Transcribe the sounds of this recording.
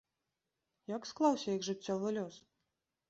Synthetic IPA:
jaksklˠawsʲɐjɐɡʐɨt͡sʲːɔvɨlʲɔs

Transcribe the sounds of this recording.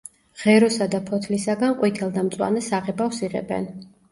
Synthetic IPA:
ʁ̥ɛɾɔsad̪apʰɔt̪ʰlisaɡanqʼwit̪ʰɛlˠd̪amt̪sʼwa̰nɛsaʁɛbafsiʁɛ̰bɛ̰n

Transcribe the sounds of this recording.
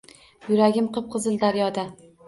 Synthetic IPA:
jʊɾaɡʲɪmqʰɨp̚qʰɨzɨld̪aɾjɒd̪a

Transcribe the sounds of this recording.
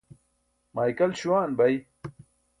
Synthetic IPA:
maːjkɐlɕuwaːnbɐj

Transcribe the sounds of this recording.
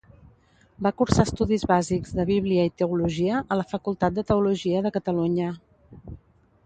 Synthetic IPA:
bakuɾsast̪uðizβazikzðəβ̞iβ̞liəit̪əuluʒiəʔələfəkulˠt̪at̪̚d̪ət̪əuluʒiəðəkət̪əluɲə

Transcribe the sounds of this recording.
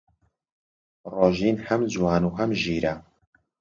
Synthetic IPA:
roːʒiːnhɐmd͡zwɑːnuːɦɐmʒiːɾɐ

